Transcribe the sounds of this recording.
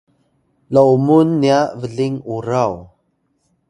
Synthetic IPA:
laumunːiaʔvəɮiŋuɾaw

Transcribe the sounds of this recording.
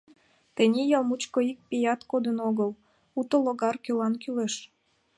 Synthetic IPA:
t̪enʲejɑlˠmut͡ɕkoik̚pijɑt̪kod̪ənoɣəl | ut̪oloɣɑrkølɑnkyleʃ

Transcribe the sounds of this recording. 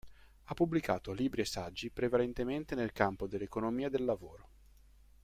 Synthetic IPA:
apːublika̰ːt̪oliːbɾiesːad͡ʒːipɾevalent̪ement̪enelkampod̪elːekonomiːad̪elːavoːɾo

